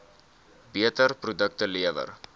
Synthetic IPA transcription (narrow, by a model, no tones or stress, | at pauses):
biətərprudək̚təliəvə̰r